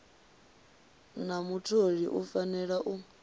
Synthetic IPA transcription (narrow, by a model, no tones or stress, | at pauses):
namutʰoɺiʔufanɛɺaʔu